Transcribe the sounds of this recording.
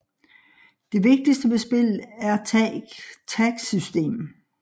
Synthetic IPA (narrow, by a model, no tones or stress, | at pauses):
d̥e̝ʋe̝ɡ̥̚d̥isd̥əʋe̝sb̥e̝l̰æɐt͡sʰ | t͡sʰæɡ̥sysd̥e̝̰ːm